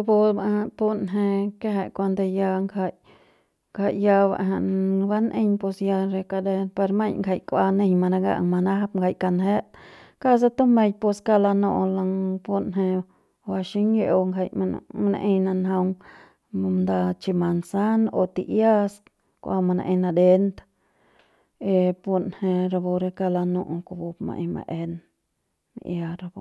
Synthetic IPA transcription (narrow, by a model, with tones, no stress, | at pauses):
o˧po˧ba˧ha˧pu˧nɦẽ˧ke˦ɦe˧˨kʷa˧nd̪e˧ja˧ŋkʰa˧j | ŋkʰa˧˨jja˧ba̰˨ʔɦã˧˨ʔba˦nʔẽ˧ɲpo˧sja˧ɾe˧ka˧d̪e˧ɾpa˧ɾma˦˧ɲŋka˧˨jkʷa˧nẽ˧ɲma˧nã˧ɡa̰˦ʔŋma˧na˦ha˦p̚ŋɡʰa˧jka˧nɦe˦ʔka˦s̬a˧t̪o˦mẽ˧jpo˧ska˧la˧nõ˧ʔla˧ŋpu˧nɦẽ˧ | a˧ʃi˦ŋje˧o˧ŋɡʰa˧jma̰˧na̰˧ʔĩ˧na˧nɦa˧ŋ | nd̪a˧t͡ʃi˧ma˨nsa˦no˧t̪i˧ʔja˦s | kʷʔa˧ma˧na̰˧ʔĩ˧nã˧d̪e˧nt̪a | e˧pu˧nhẽ˧ɾa˧bo˧ɾe˧ka˧la˧nũ˧ʔo˧ko˧bu˧pmã̰˧ʔĩ˧mã̰˧ʔe˧n | mḭ˧ʔja˧ɾa˧bo˧